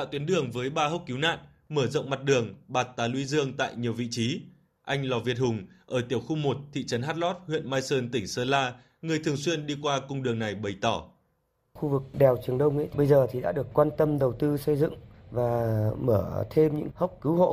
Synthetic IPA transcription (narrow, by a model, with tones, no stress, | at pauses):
t̪a̰ː˧˨wt̪wi˨˦ənɗɨ˨˩əŋvəː˨˦jɓaː˧ɦə˦˥wk͡p̚ki˨˦wna̰ː˧˨n | məː˧˩zə̰˧˨wŋ͡mma˨˩t̚ɗɨ˨˩əŋɓaː˨˩t̚t̪aː˨˦lwi˨˦zɨ˧əŋt̪a̰ː˧˨jɲi˨˩əwvḭ˧˨t͡ɕi˨˦ | ʔa˧jŋ̟lɔ˨˩vi˨˩t̚hʊ˨˩ŋ͡mʔəː˧˩t̪i˧˩əwxu˧mo˨˩t̚t̪ʰḭ˧˨t͡ɕə˨˦nha˦˥t̚lɔ˦˥t̚hwḭ˧˨ənmaː˧jsəː˧nt̪ï˧˩ŋ̟səː˧laː˧ | ŋɨ˨˩əjt̪ʰɨ˨˩əŋswi˧ənɗi˧kwaː˧kʊ˧ŋ͡mɗɨ˨˩əŋna˨˩jɓə˨˩jt̪ɔ˧˩ | xu˧vɨ˨˩k̚ɗɛ˨˩wt͡ɕɨ˨˩əŋɗə˧wŋ͡mʔə̰˧˥ɓə˧jzəː˨˩t̪ʰi˨˩ɗa̰ː˧˥ɗɨ˨˩əkːwaː˧nt̪ə˧mɗə˨˩wt̪ɨ˧sə˧jzɨ̰˧˨ŋ | vaː˨˩məː˧˩t̪ʰe˧mɲɨ̰˧˥ŋhə˦˥wk͡p̚kɨ˨˦wɦo̰˧˨